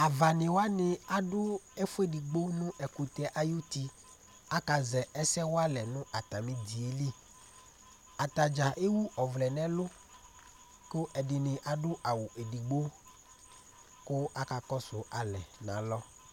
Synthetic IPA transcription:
a˨va˨nɪ̃˨wa˦nɪ̃˨a˨ɖʊ˦ɛ˦fʊ˦e˦di˨ɡ͡bo˦nʊ̃˦ʔɛ˨ku˨t̪ɛ˦ʔa˦jo˦t̪i˦ | a˦ka˨zɛ˨ɛ˦sɛ˦wo˦a˦lɛ˨nʊ̃˦ʔa˨t̪a˨mɪ̃˦d̪i˨e˦li˦ | a˨t̪a˨d͡ʒa˨ʔe˦wu˦ʔɔ˨vlɛ˨nɛ̃˦lʊ˦ | kʊ˦ʔɛ˨dɪ˨nɪ̃˨ʔa˨ɖʊ˦ʔa˨wu˨ʔe˨di˨ɡ͡bo˦ | kʊ˦a˦ka˨kɔ˦sʊ˨a˨lɛ̰˨nã̰˨lɔ˦

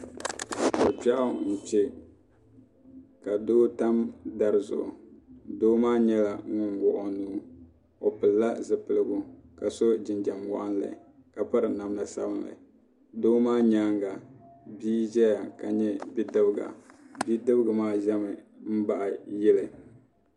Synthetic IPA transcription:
bʊ˨pa˦ʔa˦˨n̩˨t͡ʃɛ˦ | ka˨doː˦ta˦mda˨ɾɨ˦˨zʊ̰˨ʔʊ̰˨doː˦maː˦ɲɛ˦la˨˦ŋʊ˦nwʊ˨ʔʊ˨nuː˦ | o˨pɨ˨lːa˦zɨ˨pɨ˨lɨ˦ɡʊ˦ka˨so˦d͡ʒɪ˨nd͡ʒa˨mwa˦ʔa˦nla̰˨ | ka˨pa˦ɾɨ˨na˨mna˨sa̰˦bɨ˦nla̰˨ | doː˦maː˦ɲa˦ŋɡa˨biː˦d͡ʒɛ˦ja˨ka˨ɲɛ˦bi˦dɨ˦bɨ˦ɡa̰˨bi˦dɨ˦bɨ˦ɡɨ˨maː˦ʒɛ˦mɨ˨m̩˦ba˦ʔa˨jɪ˦lɨ˨

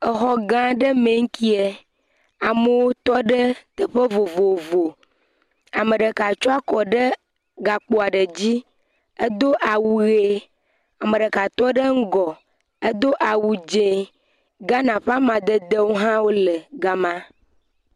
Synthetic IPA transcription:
ə˨xɔ˨ɡã˦ɖə˦mẽ˨ŋ̩˦ki˦e˨ | a˨mə˦wo˦t̪ɔ˦ɖə˦t̪ə˨ɸə˦vo˨vo˨vo˨ | a˨mə˨ɖə˨ka˨t͡ʃɔ˦a˦kɔ˨ɖə˦ | ɡa˨k͡po˨a˨ɖə˨d͡ʑi˦ | ə˦d̪o˦ʔa˨wu˨ɣe˦ | a˨mə̃˨ɖə˨ka˨t̪ɔ˦ɖə˦ŋ̩˦ɡɔ˨ | ə˦d̪o˦ʔa˨wu˨d͡ʒẽ˨ | ɡã˦nã˨ɸa˦mã˨d̪ə˦d̪ə˦wo˦ɦã˦wo˦lə˨ɡa˦mã˦

